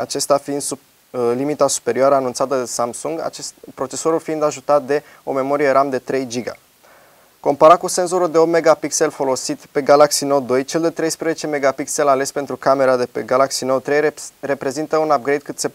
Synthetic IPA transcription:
at͡ʃe̞st̪afind̪su | limit̪asu̥pe̞ɾioaɾəanunt̪sat̪əd̪esamsuŋɡa̰pɾo̞t͡ʃe̞soɾulfind̪aʒut̪at̪̚d̪e̞ | o̞me̞mo̞ɾije̞ɾʔamd̪e̞t̪ɾe̞jd͡ʒiɡa̰ | ko̞mpaɾat̪̚kuse̞nso̞ɾuld̪e̞o̞pt̪me̞ɡapikse̞lfo̞lo̞sit̪pe̞ɡalaksinod̪o̞jt͡ʃe̞ld̪e̞t̪ɾe̞jspɾezet͡ʃe̞me̞ɡapikse̞lale̞spe̞nt̪ɾukame̞ɾad̪e̞peɡalaksinot̪ɾe̞jɾe̞pɾe̞zint̪əunap̚ɡɾe̞jd̪̚kɨt̪se̞

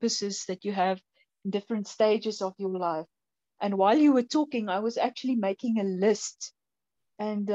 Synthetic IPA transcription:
pəsəzðɨtjɨːṽ | ndɪfɹə̃ntsteɪd͡ʒəzəvjəlaɪf | ʔə̃nwaɪlˠjuwətʰɔːkɪ̃ŋaɪwʌzæk̚t͡ʃʉəlimeɪkɪ̃ŋəlɪst | ɨ̃nd

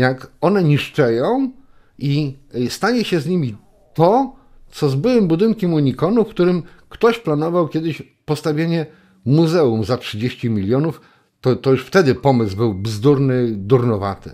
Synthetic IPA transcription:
jakɔnɛɲiʂt͡ʂɛjɔ̃w̃ | ist̪aɲɛɕɛzɲimʲi | t̪ɔ | t̪sɔzbɘwɘmbud̪ɘnkʲɛmuɲikɔnufkt̪uɾɘmkt̪ɔɕplanɔvawkʲɛd̪ɘɕ | pɔst̪avʲjeɲɛ | muzɛumzatʂɘd͡ʑeɕt͡ɕimʲilʲjɔnuf | t̪ɔt̪ɔjuʂft̪ɛd̪ɘpɔmɘsbɘwbzd̪uɾnɘd̪uɾnɔva̰t̪ɘ̰

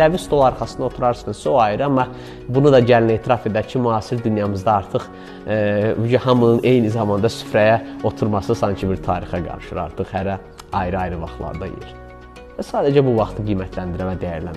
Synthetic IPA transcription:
ævist̪ʰo̞lˠɑɾχɑsɯnd̪o̞t̪ʰuɾɑɾsɯnsoɑjɾɑmːɑ | bunud̪ɑɟæline̞ːt̪ʰiɾɑfe̞d̪æɾcʰimyɑːsiɾd̪ynjɑmɯzd̪ɑɑɾt̪ʰɯχ | bud͡ʒyɦɑmɯnɯnʔe̞jnizɑmɑnd̪ɑsy̥fɾæjæo̞t̪ʰuɾmɑsɯsɑŋcʰibiɾt̪ʰɑːɾixɑɡɑ̰ɾɯʃɯ̰ɾɑ̰ɾt̪ʰɯχhæɾæ | ɑjɾɯɑjɾɯvɑ̰χlˠɑ̰ɾd̪ɑ̰jḛɾ | væsɑːd̪æd͡ʒæbuvɑχt̪ʰɯɡijmæt̪ʰlænd̪iɾævæd̪æjæɾlæ̰n

